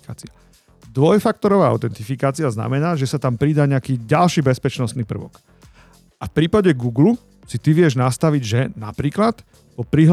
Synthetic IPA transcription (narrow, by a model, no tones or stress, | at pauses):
kaːt͡sia | d̪ʋɔjfak̚t̪ɔɾɔʋaːa̰ʊt̪ɛnt̪ifikaːt͡siazna̰mɛnaːʒɛsat̪ampɾiːd̪aːɲɛakiːɟalʃiːbɛspɛt͡ʃnɔst̪niːpr̩ʋɔ̰k | ʔafpɾiːpaɟɛɡuːɡlu | sit̪iʋɪɛʒnast̪aʋiɟʒɛnapɾiːklat̪ | pɔpɾiɦ